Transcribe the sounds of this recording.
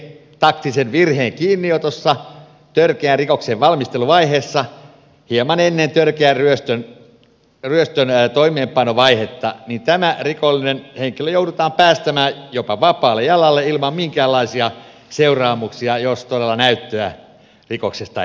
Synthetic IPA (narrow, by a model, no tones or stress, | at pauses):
t̪ɑkt̪isenʋirheːŋkiːnːiot̪osːɑ | t̪ørkeærikokseʋʋɑlmist̪eluʋɑiheːsːɑ | hiemɑnenːent̪ørkeæryøst̪øn | ryøst̪ønt̪oimeːmpɑnoʋɑihet̪ːɑ̰nint̪æmærikolːinenheŋkiløjoudut̪ɑːmpæːst̪æmæːjopɑʋɑpˑɑːlːejjɑlɑlːeilmɑmmiŋkæːlːɑisiɑ | seurɑːmuksiɑjost̪odelːɑnæyt̪ːøæ | rikoksest̪ɑ̰